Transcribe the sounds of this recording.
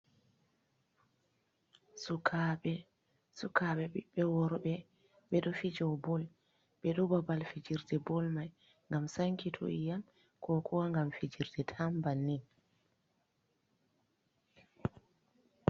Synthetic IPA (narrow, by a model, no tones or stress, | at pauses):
sukʰaɓɛ | sukaɓɛɓiɓɛwɔɾɓɛ | ɓɛɗɔfid͡ʒɛwbɔl | ɓɛɗɔbabalfid͡ʒiɾdɛbɔlmaj | ŋɡamsaŋkitʰṵʔijam | kʰɔkʰɔwaŋɡamfid͡ʒiɾdɛtʰambanːi